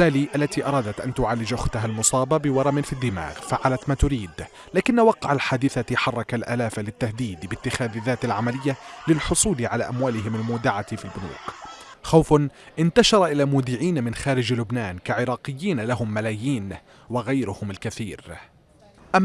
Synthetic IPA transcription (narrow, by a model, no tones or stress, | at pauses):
aːliːʔalːat̪iʔɑ̰ɾˤɑːd̪at̪ʔa̰nt̪ʊʕaːlːɪd͡ʒʔʊxt̪aɦalmʊsˤɑːbabɪwɑɾˤɑmɪnfid̪ːɪma̰ːɣfaʕalat̪maːt̪ʊɾiːd̪ | laːkɪnːawɑqːɑʕalħaːd̪ɪθaħɑrˤːɑkalʔaːlaːfalɪt̪ːahd̪iːd̪bɪt̪ːɪxaːððːaːt̪alʕamalɪjːalɪlħʊsˤuːlʕala̰ːʔamwaːlɪɦɪmalmuːd̪ɪʕat̪filbʊnṵːq | xawfʔɪnt̪aʃɑɾˤʔɪlaːmuːd̪ɪʕiːnamɪnxaːɾɪd͡ʒlʊbnaːnkaʕɪɾɑːqɪjːiːnalaɦʊmːalaːjiːn | waɣajɾʊhʊmalkaθiːɾ | ʔamː